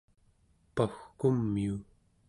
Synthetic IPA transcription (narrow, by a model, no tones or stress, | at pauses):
paxkumːiu